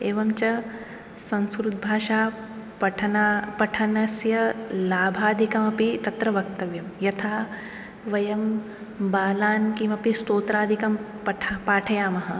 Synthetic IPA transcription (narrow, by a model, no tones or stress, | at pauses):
eːʋɐmt͡ʃɐ | sɐ̃nskɾut̪̚bʱaːʃaː | ɐʈʰɐnapɐʈʰɐnɐsjɐlaːbʱaːd̪ʱikɐmɐpit̪ɐt̪ɾɐʋɐkt̪ɐʋjɐmjɐt̪ʰaː | ʋɐjɐm | baːlaːnkimɐpist̪oːt̪ɾaːd̪ʱikɐm | pɐʈʰpaːʈʰɐjaːmɐɦɐ̆